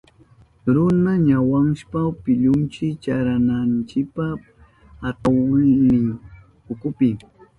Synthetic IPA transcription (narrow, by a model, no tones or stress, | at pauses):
ɾʊnaɲawaŋʃpapɪʎʊnt͡ʃɪt͡ʃaɾanant͡ʃɪk̚pa | at̪awanɪŋ | ʊkʊpɪ